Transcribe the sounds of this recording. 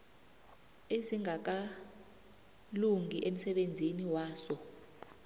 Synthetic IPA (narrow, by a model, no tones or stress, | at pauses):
eziŋak̬a | luŋiʔem̩sɛɓend͡zʱiniwaːsɔ